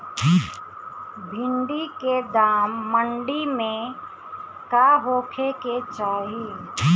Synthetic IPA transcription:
bʱɪ̃ɳɖiked̪aːmːəɳɖimẽ | kaɦoːkʰeket͡ʃaːɦi

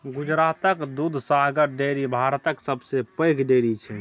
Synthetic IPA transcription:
ɡʊd͡ʒɾaːt̪əkd̪ud̪ʱsaɦɡəɾɖeːɾibʱaːɾt̪əksəbsepə̃jkʰɖeːɾit͡ʃʰɛ

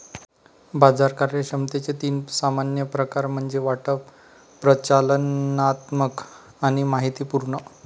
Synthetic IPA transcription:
bad͡zaɾkaɾəɕəmt̪et͡set̪iːnsamanjəpɾəkaɾm̤əɳd͡zeʋaʈə | pɾət͡ɕalənat̪mək | aɽ̃imaɦit̪iːpuɾɳə

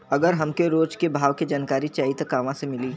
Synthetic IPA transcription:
ɐɡəɾɦɐmkeɾoːd͡ʒkebʱaːʋked͡ʒaːnkaːɾit͡ʃaːɦit̪ɐkaːʋãsemɪliː

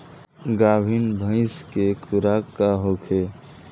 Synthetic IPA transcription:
ɡaːbʱinbʱə̃ɪ̃skekʰʊɾakːaɦokʰe

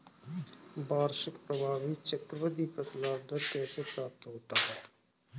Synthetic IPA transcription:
baːɾʃɪkpɾəbʱaːʋit͡ʃəkɾəʋəd̪iːpət̪laːbd̪əɾkɛːsepɾaːp̚t̪ɦoːt̪aɦɛː

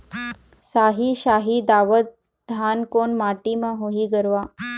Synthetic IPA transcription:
saɦiːɕaɦiːd̪aʋət̪̚ | d̪ʱankonmaʈimaɦoɦiːɡəɾʋa

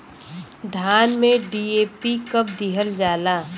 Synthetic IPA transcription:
d̪ʱaːnmẽɖiːeːpikəp̚d̪iɦəld͡ʒaːlaː

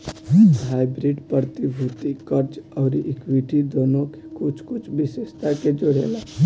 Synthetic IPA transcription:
ɦaːɪbɾiɖpəɾət̪ibʱuːt̪ikəɾd͡ʒɔːɾiʔɪkwiʈid̪oːnõke̥kʊt͡ʃʰkʊt͡ʃʰbɪʃeːʃt̪aked͡ʒʊɽḛːla

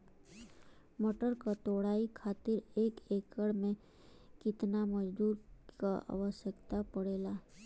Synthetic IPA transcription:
mɔʈəɾkat̪oːɽ̤aːikʰaːt̪ɪɾeːkeːkəɽmẽ | kɪt̪naməd͡ʒd̪uːɾkaa̰ːʋəʃjəkt̪apəɽeːlaː

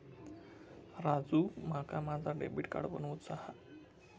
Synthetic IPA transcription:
ɾad͡zumakamad͡zaɾɖḛbiʈka̰ɽbɔnuut̪saha

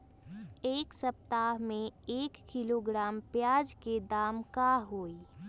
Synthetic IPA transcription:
eːksəp̚t̪aːɦmẽeːkːiloɡɾaːmpjaːd͡ʒked̪aːmkaɦoːi

